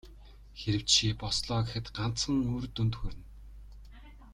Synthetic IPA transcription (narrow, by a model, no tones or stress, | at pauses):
xeɾɘ̆w̥t͡ɕʃiːpɔsɮɔːɣʲɪ̆xɘ̆t̪ɢan̥t͡sχə̆ŋoːrt̪ɵnt̪xɵːɾɘ̆n